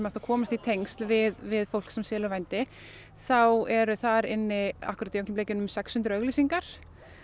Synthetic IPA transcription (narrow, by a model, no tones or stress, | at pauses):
maht̪akʰɔːmast̪it̪ʰejŋst̪lvɪðvɪðfowlksɛmsɛːlʏvajnt̪ɪ | θawɛɾʏθaɾɪnːɪa̰hkʏɾat̪jowŋk̪ɪmpleːjcɪnʏmsɛkshʏnt̪ɾœɣlisiŋkaɾ̥